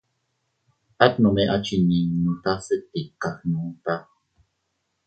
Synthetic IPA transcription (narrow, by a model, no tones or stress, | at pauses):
ʔat̪numeʔat͡ʃininut̪asət̪ːikaxnut̪a